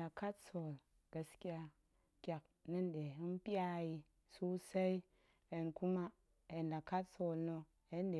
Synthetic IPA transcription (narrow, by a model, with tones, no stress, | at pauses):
a˨ka˦tso˨l | ɡ̥a˨ski˦ja˧ | kʲa˨k̚ | nɨ˦nɗe˨i˦npi˦a˦ji˨ | su˦sa˦i˦ | e˨nku˦ma˦ | e˨nda˨ka˦tso˨lno˨ | e˦nɗe˨